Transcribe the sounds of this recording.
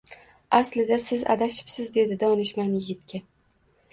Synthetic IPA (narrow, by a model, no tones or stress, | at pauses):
aslɪd̪asɪza̰d̪aʃɪ̥psɪzd̪e̞d̪ɪd̪ɒnɪʃmanjɪɡʲɪt̪kʲʰa